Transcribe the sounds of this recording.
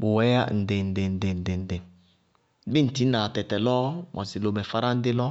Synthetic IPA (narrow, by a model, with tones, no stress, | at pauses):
bʊ˨wɛ˦ja˦n̩˨de˨n̩˨de˨n̩˨de˨n̩˨de˨n̩˨de˨˦ | bi˦n̩˨ti˨˦na˨tɛ˨tɛ˨lɔ˦mʔɔ̰˨si˨lo˨mɛ˨fa˦ɾa˦n̩˦dɪ˦lɔ˦